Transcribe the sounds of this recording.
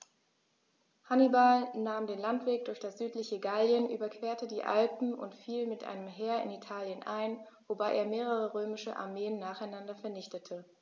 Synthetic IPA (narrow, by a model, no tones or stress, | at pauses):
hanibalnaːmdeːnlantv̥eːk̚d̥ʊɐçd̥asz̥yːtlɪçəɡaljənʔy̰ːbɐkv̥eːɐtədiːʔa̰lpm̩ʔʊ̰ntfiːlmɪtʔa̰ɪnəmɦeːɐɪ̰nitʰaːljənʔa̰ɪn | vobaɪʔḛːɐmeːʁ̞əʁ̞əʁøːmɪʃəʔa̰ɐmeːənːaːχaɪnandɐfɛɐnɪçtətʰə